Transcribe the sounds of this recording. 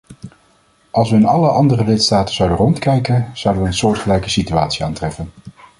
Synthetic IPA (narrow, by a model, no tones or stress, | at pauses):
ɑlˠsʋəɪnɑləʔɑndərəlɪtstaːtəz̥ɑwdərɔntkɛjkəz̥ʌwdəʋəːnsʊːɹtχəlɛjkəsityaːtsia̰ːntrɛfən